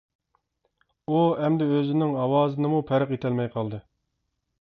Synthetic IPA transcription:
uɛmd̪ɪøzɪnɪŋɑwɑːzɨnɨmupʰæɾəqet̪ʰɛlmɛjqʰɑlˠd̪ɨ

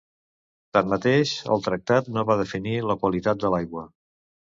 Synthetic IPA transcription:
t̪anːət̪eʃə̰lˠt̪ɾək̚t̪at̪noβaðəfiniləkwəlit̪at̪̚d̪əlajɣwə

